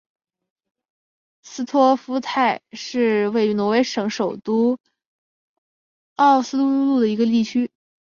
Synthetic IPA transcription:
sɹ̩˥t̪ʰwɔ˥fu˥t̪ʰa˥˩ɪʂɻ̩˥˧we˥˩ɪy˧˥nwɔ˧˥we˧˥ɪʂɤ˧˥ŋʂo˨˩ʊt̪u˥ | ɑ˥˩ʊsɹ̩˥t̪u˥u˥lu˥˩d̪ə˩i˧˥ɡə˧li˥˩t͡ɕʰy˥

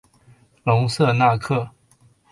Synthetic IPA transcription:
lʊ˧˥ŋsɤ˥˧na˥˧kʰɤ˥˩

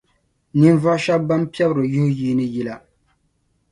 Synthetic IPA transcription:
ni˦n˦va˦ʃa˦bba˦mpi˦ɛ˦bɨ˨ɾɨ˨jʊ˦hʊ˦jiː˦nɨ˦ji˦la˨

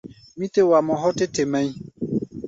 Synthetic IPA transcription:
mĩ˦te˦wa˨mɔ̃˨ɦɔ˦te˦te˨mɛ̃˦ĩ˦

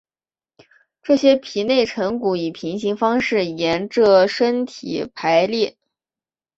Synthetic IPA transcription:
ʈ͡ʂɤ˥˩ɕjɛ˥pʰi˨˩ne˥˩ɪʈ͡ʂʰɤ˧˥ŋku˧˥˩i˨˩pʰi˧˥ŋɕi˧˥ŋfɑ˥ŋʂɻ̩˥˩jɛ˧˥nʈ͡ʂɤ˥˩ʂə˥nt̪ʰḭ˨˩pʰa˧˥ɪljɛ˥˩

